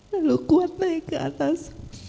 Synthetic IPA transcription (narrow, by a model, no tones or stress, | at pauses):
alukuat̪̚nakɨʔa̰t̪as